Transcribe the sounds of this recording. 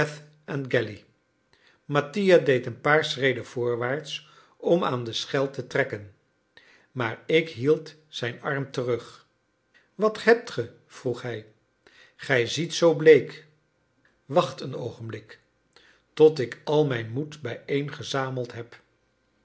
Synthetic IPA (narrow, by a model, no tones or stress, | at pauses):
ɛθ | ɛnɡɛli | mɑtijadejtənpaːɹsrejdənv̥ʊːɹʋaːɹts | ɔma̰ːndəsχɛlˠtətrɛkən | maːɹɪkɦilˠt | sɛjnɑɹmtərɵχ | ʋɑthɛp̚tχə | v̥ruχɦɛj | χɛjzitsowblejk | ʋɑχtəno̰wχənblɪk | tɔtɪkɑlˠmɛjnmutbɛjejnχəzaːməlˠtɦɛp